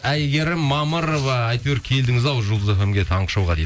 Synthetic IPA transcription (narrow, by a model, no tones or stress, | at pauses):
æjɡʲe̞ɾɪmːɑməɾovɑːjt̪weɾkʲʰe̞ld̪ɪŋɪzɑwʒulˠd̪əzefemɡʲe̞t̪ʰɑɴqə̥ʃɑwʁɑd̪ej̪